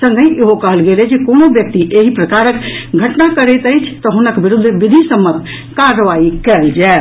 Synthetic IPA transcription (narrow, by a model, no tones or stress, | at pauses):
sə̃ŋɡʱəʔeɦokəɦəlɡelɛd͡ʒekonobjək̚t̪iʔeɦipɾəkaɾəkɡʱəʈnakəɾɛt̪əjt͡ʃʰt̪ɔɦunəkbiɾud̪ʱːʋid̪ʱisəmːət̪ | kaɾəʋaikɛld͡ʒae